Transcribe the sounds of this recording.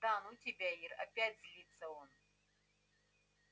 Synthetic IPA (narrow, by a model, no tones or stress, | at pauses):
d̪anutʲɪbʲæirɐ̰pʲætʲzʲlʲit̪səon